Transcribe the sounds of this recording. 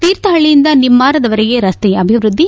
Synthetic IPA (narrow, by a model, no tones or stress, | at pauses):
t̪iːɾt̪ɐɦɐɭijɪnd̪ɐnimːaːɾɐd̪ɐʋɐɾɐjeːɾɐst̪ɛjɐɐbʱɪʋɾʊd̪ʱːi